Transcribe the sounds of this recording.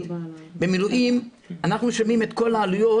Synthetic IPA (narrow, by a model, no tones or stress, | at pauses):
bemiluʔim | anaχnuʃomimet̪ko̞laːlujo̞